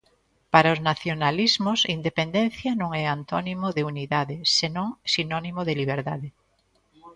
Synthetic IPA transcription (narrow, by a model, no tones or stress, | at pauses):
paɾaʊznaθjonalizmʊsind̪epend̪ɛ̃n̟θjanõŋɛant̪ɔnimoðeuniðaðesenõŋsinɔnimoðeliβ̞eɾðaðe